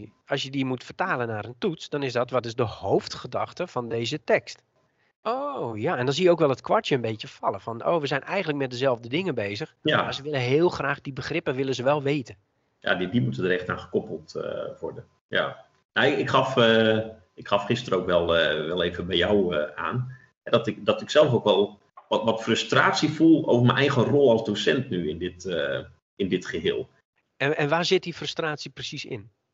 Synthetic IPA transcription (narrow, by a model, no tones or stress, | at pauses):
ɑsjədimutfərtaːlənːaːɾəntutsd̥ɔnɪsdɔtʋɔtɪzdəhowftxədɑxtəfɔndeːzətɛkst | ʔojaɛndɔnzijəowkʋɛlˠɦətkʰwɔtjəənbeːtjəfɑlˠəfɔno̰ːʋəzɛjnʔɛjɣəntlək̚mɛt̚dəzɛlˠvdədɪŋəbeːzəxmasəʋɪləɦɪːlˠxraːχdibəxrɪpəʋɪlˠəzəʋɛlˠʋeːtə | ja̰ddimutədəɾɛxtaːnχə̥kɔpəlˠtʋɔɹdən | ja̰ | naɪɪkχɑfə | ɪkxɑfχɪstərəowkʋɛlˠəʋɛlˠeːvəbɛjawəʔa̰ːn | ɦɛdɔtɪkdɔtɪksɛlˠfowkʋɛlˠ | ɔʋɔtfrøstra̰ːtsifulˠowvəmɛnʔɛjɣənrolˠɑlˠzdosɛntnyɪndɪtə | ɪndɪtχəɦeːlˠ | ɛnʋaːzɪt̚difrəstraːtsiprəsisɪ̰n